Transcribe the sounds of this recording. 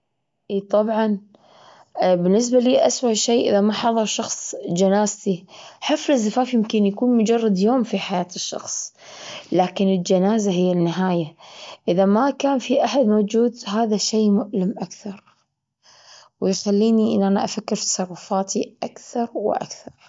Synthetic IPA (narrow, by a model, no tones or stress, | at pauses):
ʔiːt̪ˤɑbʕɑn | bɪnːɪs̬baliːʔaswaʔʃeːʔɪðamaħɑðˤɑɾˤʃɑxsˤd͡ʒanaːzt̪iħɪflɪzːafaːfjɪmkɪnjakuːnmʊd͡ʒɑrˤːɑd̪joːmfiħajaːt̪ɪʃːɑ̰xsˤ | laːkɪnɪld͡ʒanaːzaɦɪjːanːɪɦaːjaʔɪðamakaːnfiʔaħad̪moːd͡ʒuːd̪ɦaːðaʃejːmʊʔlɪmʔakθɑɾˤ | wɪjxalːiːniʔɪnːʔanaʔafakːɪɾt̪ɑ̥sˤɑrˤːʊfaːt̪iʔakθɑɾˤwɪ̰ʔa̰kθɑɾˤ